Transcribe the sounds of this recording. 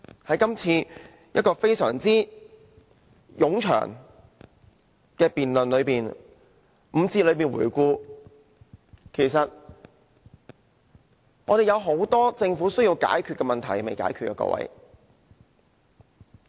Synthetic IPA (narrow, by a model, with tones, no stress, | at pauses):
hɐ˨˥jkɐ˥mt͡sʰiː˧ | jɐ˥t̚kɔː˧fe˥jsœ̰ː˨˩ŋt͡siː˥ | jʊ˨˥ŋt͡ʃʰœ̰ː˨˩ŋ | kɛː˧piː˨nlnlɵ˨˧ɥpiː˨n | m̩˨˧t͡siː˧lɵ˨˧ɥpiː˨˩nwṵː˨˩jkuː˧ | kʰe˨˩jsɐ˨t̚ | ŋɔ̰ː˨˧ɾe˨jɐ˨˧wɦo˨˥wt̪ɔː˥t͡sɪ˧ŋfuː˨˥sɵ˥ɥji˧wka̰ː˨˥jkʰyː˧t̚kɛː˧mɐ˨nt̪ʰɐ˨˩jme˨jka̰ː˨˥jkʰyː˧tkːɛː˧kɔ̰ː˧˥wɐ̰˨˥j